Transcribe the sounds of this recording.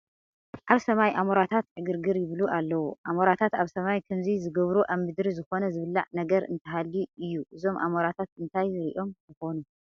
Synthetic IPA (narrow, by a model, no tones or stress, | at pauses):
ʔaβsɐmajʔamoɾat̪ʰat̪ʕɨɡɨɾɡɨɾjɪβluʔalːɐwuʔamoɾat̪ʰat̪aβsɐmajkʰɐmzizɨɡɐβɾuʔaβmɨd̪ɾizɨxo̞nɐzɨβɨlːa̰ʕnɐɡɐɾɨ̰nt̪ʰɐɦalːiɨjːuʔɨzo̞mʔa̰moɾat̪ʰat̪ɨnt̪ʰajɾḭʔo̞mt̪ɨxo̞nu